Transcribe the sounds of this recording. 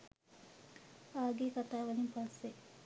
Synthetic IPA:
aːɡeːkat̪aːʋɐlimpɐsːe

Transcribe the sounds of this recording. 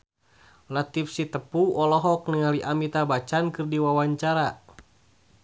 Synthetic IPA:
lat̪ifsit̪əpuɔlɔɦɔk̚niŋaliʔamit̪abat͡ʃankɨrdiwawaɲt͡ʃaɾa

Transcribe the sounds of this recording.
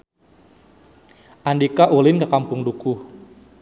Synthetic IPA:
ʔandikaʔulɪnkakampʊŋduku

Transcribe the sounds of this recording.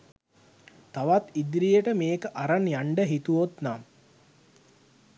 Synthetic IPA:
t̪aʋat̪id̪ɾijəʈəmeːkəʔaɾanjaɳɖəɦit̪uʋot̪nam

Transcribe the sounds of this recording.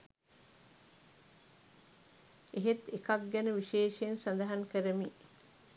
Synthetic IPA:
eɦet̪ekɐkɡɛneʋiʃeːʃensɐnd̪ɐɦɐŋkeɾemiː

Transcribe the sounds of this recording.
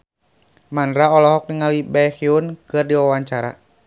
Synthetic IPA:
manɾaɔlɔɦɔk̚niŋalibahiunkɨrdiwawaɲt͡ʃaɾa̰

